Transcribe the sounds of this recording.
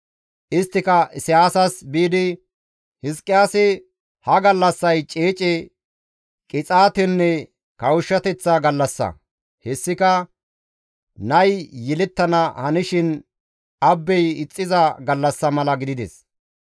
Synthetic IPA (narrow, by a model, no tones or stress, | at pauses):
ʔɪst̪ːɪkɐʔɪsɪjaːsɐsbiːd̪ɪ | hɪskʼːɪjaːsɪ | hɐɡɐlːɐsːɐjt͡ʃʼeːt͡ʃʼɛ | kʼɪt͡sʼaːt̪ɛnːɛ | kɐwʊʃːɐt̪ɛt͡sːaɡɐlːɐsːɐ̰ | hɛsːɪkɐ | nɐjjɛlɛt̪ːɐnɐhɐnɪʃɪn | ɐbːɛjɪt͡sʼːɪzɐɡɐlːɐsːɐmɐlɐɡɪd̪ɪd̪ɛ̰s